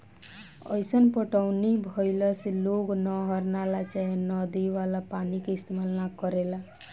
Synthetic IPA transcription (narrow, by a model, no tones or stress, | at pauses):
ʌ̰jsʌnpɔʈawnibʱʌjlʌsloɡnʌɦʌɾnalat͡ʃaɦenʌd̪iʋalapanikeist̪emalnakʌɾela